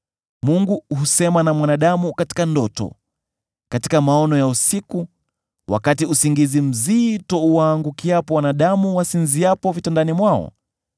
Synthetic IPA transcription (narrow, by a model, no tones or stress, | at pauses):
muŋɡuɦusɛmanamwanaɗamukati̥kandɔtɔ̰ | kati̥kamaɔnɔjausiku | wʔa̰katiusiŋɡizim̩zitɔuwaːŋɡukiapɔwanaɗamuwasinziapɔvitandanimwaɔ̰